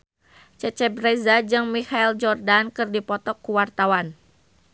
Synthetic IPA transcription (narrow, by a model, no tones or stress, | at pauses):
t͡ʃət͡ʃɛbɾɛzad͡ʒɨŋmihaild͡ʒɔrdankɨrdipɔt̪ɔkːuwart̪awan